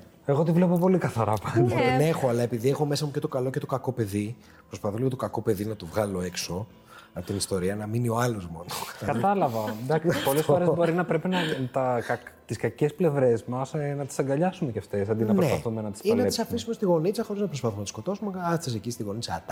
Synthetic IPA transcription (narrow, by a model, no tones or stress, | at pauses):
e̞ɣo̞t̪̬ivlepopo̞likɐθɐɾɐpɐnenexo̞ɐlɐe̞piðiexo̞me̞sɐmucet̪o̞kɐlo̞cet̪o̞kɐko̞pe̞ði | pɾo̞spɐθoliɣot̪okɐko̞pe̞ðinɐt̪ovɣɐlo̞e̞kso̞ | ɐpot̪inist̪o̞ɾiɐnɐminio̞ɐlo̞zmo̞nokɐt̪ɐlɐvɐd̪ɐkpo̞le̞sfo̞ɾebo̞ɾinɐpɾe̞pinɐt̪ɐɐt̪iskɐcesple̞vɾe̞zmɐsnɐt̪i̥sɐŋɡɐʎɐsumeceɐft̪e̞sɐnd̪inɐnɾeɐθumenɐt̪isiɐi̥sɐfisume̞st̪iɣo̞nit͡sɐxo̞ɾiznɐpɾo̞spɐθumenɐt̪isko̞t̪osumeɐsesecist̪iɣo̞nit͡sɐt̪ɐ